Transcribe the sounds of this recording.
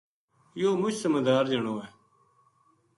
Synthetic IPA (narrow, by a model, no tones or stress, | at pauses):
joːmʊt͡ʃʰsəməːd̪aːɾd͡ʒəɳoːɛː